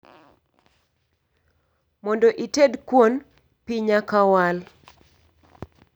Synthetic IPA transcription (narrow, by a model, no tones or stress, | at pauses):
mɔndoʔitedkwon | piɲakawal